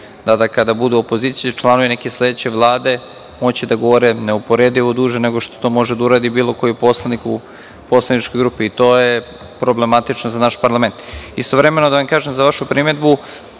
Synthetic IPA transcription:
d̪ad̪akad̪abud̪uopo̞ziːt̪sijit͡ʃlˠanoʋinekeslˠe̞d̪et͡ɕeʋlˠaːd̪e̞ | mot͡ɕid̪aɡo̞ʋoɾeneupo̞ɾed̪iod̪uːʒeneɡoʃt̪ot̪o̞ːmo̞ʒed̪auɾaːd̪ibiːlˠo̞ko̞jiposlˠaniku | poslˠanit͡ʃkojɡɾuːpiːt̪o̞ːje | pɾo̞ble̞mat̪it͡ʃnozanaʃpaɾlˠame̞nt̪ist̪o̞ʋɾe̞me̞no̞d̪aʋamkaːʒemzaʋaʃupɾimed̪bu

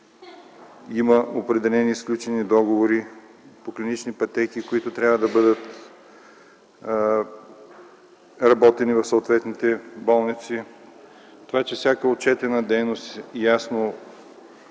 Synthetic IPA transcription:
imɐopɾɛd̪ɛlɛniːsklʲut͡ʃɛnid̪ɔɡovoɾipoklʲinit͡ʃnipɐt̪ɛkikoit̪ʊt̪ɾʲjavəd̪ɐbɤd̪ət̪ | ɾɐbɔt̪ɛnivɐfsoːt̪vɛt̪nit̪ɛbɔlˠnit̪si | t̪ovat͡ʃɛfsʲjakəot̪̚t͡ʃɛt̪ɛnɐd̪ɛjnost̪jasno

